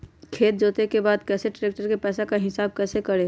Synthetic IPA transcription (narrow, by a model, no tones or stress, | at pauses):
kʰeːt̪̚d͡ʒoːt̪ekebaːd̪kɛːseʈɾeːk̚ʈəɾkepɛːsakaɦɪsaːb̚kɛːsekəɾeː